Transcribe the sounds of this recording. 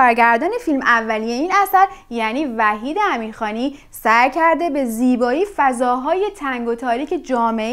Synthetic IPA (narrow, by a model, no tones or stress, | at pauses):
ɒːɾɟæɾd̪ɒːne̞filmævːælije̞iːnæsæɾjæːniːvæɦiːd̪eæmiːɾxɒːniː | sæɾcʰæɾd̪e̞be̞ziːbɒːiːfæzɒːɦɒːje̞t̪ʰæŋɡo̞t̪ʰɒːɾiːcʰe̞d͡ʒɒːme